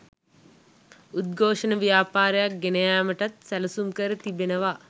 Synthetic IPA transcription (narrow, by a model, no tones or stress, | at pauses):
ut̪̚ɡʱoːʂənəʋijaːpaːɾəjak̚ɡenəjaːməʈat̪sæləsumkəɾət̪ibenəʋa